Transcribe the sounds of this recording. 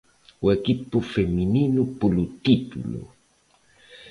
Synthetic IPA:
wekipːofemininupulut̪it̪ṵlo̰

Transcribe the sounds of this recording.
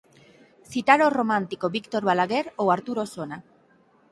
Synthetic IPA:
θit̪aɾoromãnt̪ikoβikt̪oɾβalaɣeɾowaɾt̪uɾosona

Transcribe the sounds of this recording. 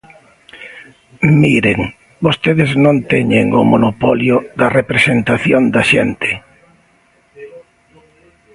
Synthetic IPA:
miɾeŋ | bost̪eðɪznõnt̪ɛɲeŋʊ̰monopɔljʊðɐrepɾesent̪aθjond̪ɐʃɛnt̪ɪ̥

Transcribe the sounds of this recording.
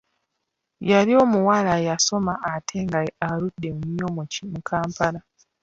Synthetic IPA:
jaɾio̞muwalajaso̞maʔːtʰe̞ːŋɡaaludːe̞muɲomucimukʰaːmpala

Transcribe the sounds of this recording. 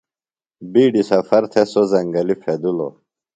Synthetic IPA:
biːɖisɐfɐɾt̪ʰesozɐŋɡɐlifʰed̪ulo̰

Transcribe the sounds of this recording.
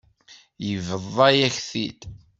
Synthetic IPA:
jəvəðˤːɑjæçθḭd̪

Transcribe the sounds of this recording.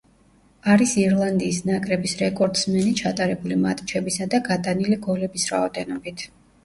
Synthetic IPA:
aɾisiɾlˠand̪iːsnakʼɾɛbisɾɛkʼɔɾd̪smɛnit͡ʃʰat̪ʼaɾɛbulimat̪ʼt͡ʃʰɛbisad̪aɡat̪ʼaniliɡɔlɛbisɾa̰ɔd̪ɛnɔbit̪ʰ

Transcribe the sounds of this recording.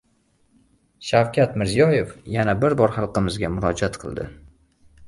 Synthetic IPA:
ʃawkʲʰat̪mɪɾzijɒje̞fjanabɪɾbɒɾχɑlˠqɨmɪzɡʲamʊɾɒd͡ʒat̪qʰɨlˠd̪ɪ̰

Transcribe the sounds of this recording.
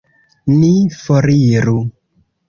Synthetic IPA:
nifɔɾiɾu

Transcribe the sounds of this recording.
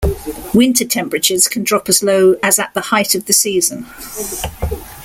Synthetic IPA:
wɪ̃ntʰətʰɛ̃mpɹət͡ʃəz̥kʰə̃ndɹɒpəzləʊəzəʔðəhaɪtəvðəsiːzə̃n

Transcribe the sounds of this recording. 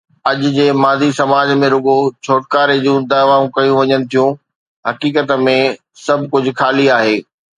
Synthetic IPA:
ɐʄʊ̆d͡ʑeːmaːzisɐmaːd͡ʑmẽɾʊɡot͡ɕʰoːʈkaːɾed͡ʑũd̪aːʋaːũkɐjũʋɐɲənɪ̆t̪ʰijũ | ɦɐkiːkət̪mẽ | sɐbʱkʊd͡ʑʱʊ̆xʰaːliaːɦeː

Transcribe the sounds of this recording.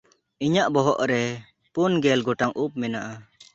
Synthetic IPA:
iɲaʔbɔɦɔʔɾɛ | punɡɛlɡɔʈaŋʔup̚mɛnaʔa

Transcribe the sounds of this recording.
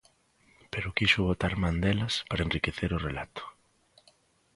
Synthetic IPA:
peɾʊkiʃʊβot̪aɾmand̪elɐspaɾaenrikeθeɾʊrelat̪ʊ̥

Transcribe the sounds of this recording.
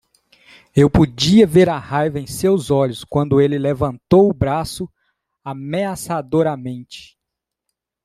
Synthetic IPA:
ewpod͡ʒiɐveɾɐhajvɐẽj̃sewzɔʎʊskwɐ̃nd̪ʊelɪlevɐ̃nt̪owʊbɾasʊ | ameasad̪oɾɐmẽnt͡ʃɪ̥

